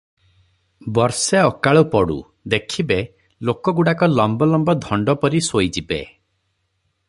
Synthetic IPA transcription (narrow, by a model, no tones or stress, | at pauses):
bɔɾseɔkaɭupɔɽṵ | d̪ekʰibe | lokɔɡuɽakɔlɔmbɔlɔmbɔd̪ʱɔɳɖɔpɔɾisojd͡ʒibḛ